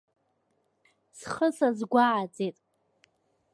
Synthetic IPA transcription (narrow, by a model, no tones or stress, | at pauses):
sχəsazɡʷaʕat͡sʼetʼ